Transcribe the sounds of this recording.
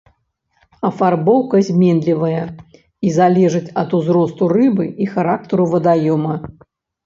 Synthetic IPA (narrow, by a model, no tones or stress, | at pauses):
ɐfarbɔwkɐzʲmʲɛnlʲivɐjɐ | izalʲɛʐɨt͡sʲɐt̪uzɾɔst̪urɨbɨixaɾak̚t̪ɨɾuvɐd̪ajɔmɐ